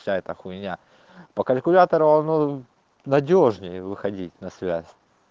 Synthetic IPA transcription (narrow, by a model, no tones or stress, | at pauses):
aɛt̪əxʊɪnʲa | pəkəlʲkʊlʲat̪əɾʊɐno | nɐdʲo̞ʐnʲɪjəvɨxɐdʲitʲnɐsvʲæ̰sʲ